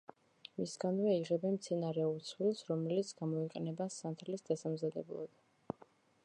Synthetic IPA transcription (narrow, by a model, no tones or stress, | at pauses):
misɡanvɛiʁɛbɛnmt̪sʰɛnaɾɛuɾt̪sʰwilˠsɾɔmɛlit̪sʰɡamɔiqʼɛnɛbasant̪ʰlisd̪asamzad̪ɛ̰blˠɔ̰d̪